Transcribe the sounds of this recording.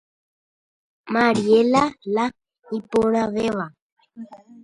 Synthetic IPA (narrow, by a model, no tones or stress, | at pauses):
maɾielala | ipoɾ̃aɣeʋa